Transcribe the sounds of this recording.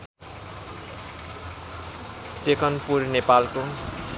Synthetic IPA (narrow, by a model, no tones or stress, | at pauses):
tekʌnpurnepalko